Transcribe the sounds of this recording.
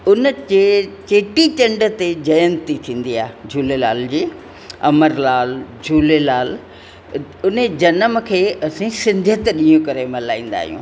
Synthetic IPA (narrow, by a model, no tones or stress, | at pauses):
ʊnəet͡ɕeːʈit͡ɕɐ̃ɳɖə̆t̪ed͡ʑɐjə̃nt̪it̪ʰĩːn̆d̪iaːɦd͡ʑʱuːlelaːld͡ʑiː | ɐ̰məɾlaːld͡ʑʱuːlelaːl | ʊned͡ʑɐnəmkʰeːʔɐsĩsɪ̃nd̪ʱjət̪ɗijũkɐɾemɐlaːĩːn̆d̪a̰ːɦijṵ̃ː